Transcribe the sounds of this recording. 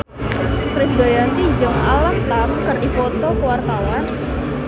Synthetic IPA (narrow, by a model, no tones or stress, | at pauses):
kɾɪsbajant̪id͡ʒɨŋalaht̪amkəripot̪okəwart̪awan